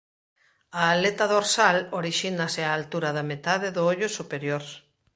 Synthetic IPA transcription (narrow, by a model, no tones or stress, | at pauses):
aːlet̪aðoɾsaloɾiʃinaseaːlt̪uɾaðamet̪aðeðʊoʎʊsupeɾjoɾ